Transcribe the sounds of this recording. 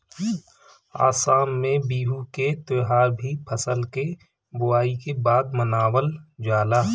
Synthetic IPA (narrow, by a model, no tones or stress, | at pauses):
a̰ːsaːmːẽbiːɦuket̪eːɦaːɾbʱipʰəsəlke | bʊaːikebaːd̪mənaːwəld͡ʒaːlaː